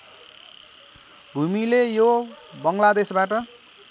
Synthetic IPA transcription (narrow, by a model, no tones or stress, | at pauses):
bʱumilejobʌŋlad̪esbaʈʌ